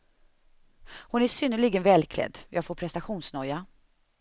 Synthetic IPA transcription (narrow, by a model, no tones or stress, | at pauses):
hʊnæʂʏnːəɭiːɡənvɛːlkʰlɛ̰d̪ːjʔɑːɡfoːɾpʰɾɛst̪aɧuːnsnɔjːa